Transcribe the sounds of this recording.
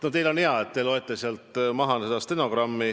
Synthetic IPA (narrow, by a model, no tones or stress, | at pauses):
not̪elo̞nheɑet̪t̪ːelo̞et̪ːˑeseɑlt̪mɑɦɑnsed̪̥ɑst̪eno̞ɡ̥rɑmːi